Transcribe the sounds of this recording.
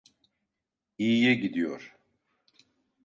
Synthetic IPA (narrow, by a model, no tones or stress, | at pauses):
ijɛɟid̪ijo̰ɾ̥